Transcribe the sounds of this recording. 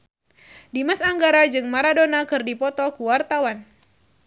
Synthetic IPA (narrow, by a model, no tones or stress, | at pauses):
dimasaŋɡaɾad͡ʒɨŋmaɾadonakɨrdipɔt̪ɔkuwart̪awan